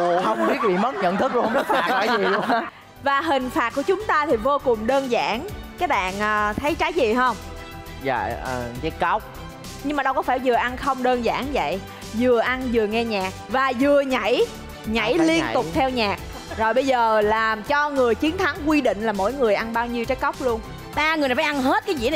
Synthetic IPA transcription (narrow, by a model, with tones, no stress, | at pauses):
hə˧wŋ͡mɓi˥˦˥ək̚vḭ˧˨mə˨˦˥t̚ɲə̰˧˨nt̪ʰɨ˦˥k̚hə˧ŋ͡mə˦˥t̚aː˧˨˩a˨˦zi˨˩˧ | vaː˨˩ɦï˨˩ŋ̟faː˨˩t̚ku˧˩ət͡ɕʊ˨˦ŋ͡mt̪aː˧t̪ʰi˨˩vo˧kʊ˨˩ŋ͡mɗəː˧nza̰ː˧˩˥nkaː˨˦˥k̚ɓa̰ː˧˨nʔəː˨˩t̪ʰə˨˦jt͡ɕaː˨˦jzi˨˩ɦə˧wŋ͡m | za̰ː˧˨˩kaː˨˦kə˦˥wk͡p̚ | ɲɨ˧ŋŋ͡mmaː˨˩ɗə˧wkɔ˨˦faː˧˩jzɨ˨˩əʔa˧nxə˧wŋ͡mɗəː˧nza̰ː˧˩nvə̰˧˨j | zɨ˨˩əʔa˧nzɨ˨˩əŋɛ˧ɲaː˨˩k̚vaː˨˩zɨ˨˩əɲa̰˧˩˨j | ɲa̰˧˩jli˧ət̪ʊ˨˩k͡p̚t̪ʰɛ˧wɲaː˨˩k̚ | zo˨˩jɓə˧jzəː˨˩laː˨˩mt͡ɕɔ˧ŋɨ˨˩əjt͡ɕi˨˦ənt̪ʰa˨˦ŋkwi˧ɗḭ̈˧˨ŋ̟laː˨˩mo̰˧˥jŋɨ˨˩əjʔa˧nɓaː˧wɲi˧wt͡ɕa˦˥j̚kə˦˥wk͡p̚lu˧ən | ɓaː˧ŋɨ˨˩n˨˩a˨˦ʔa˧nɦe˦˥t̚kaː˨˦jzḭ˧˥n˨